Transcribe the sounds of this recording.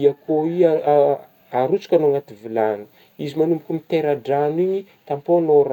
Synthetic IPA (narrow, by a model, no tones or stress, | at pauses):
iakʰoi | aɾut͡su̥kʲanoŋat̪ivilanu̥ | izimanumpikʲumit̪eɾaɖ͡ʐaniɲi | t̪amponoɾ